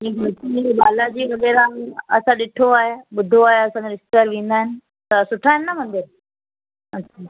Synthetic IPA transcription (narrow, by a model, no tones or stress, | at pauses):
d͡ʑẽːketim̃ːiɓaːlad͡ʑiːkɐɡeɾãɐsãɗɪʈʰoaːɦeɓʊd̪ʱoaːɦeɐsãːd͡ʑeɾɪsʈ̪əɾʋĩːn̆d̪aːɦɪnɪ̆ | t̪ɐsʊʈʰaːɦɪnɪnɐmɐ̃nd̪ɪɾ | ɐɕʰaː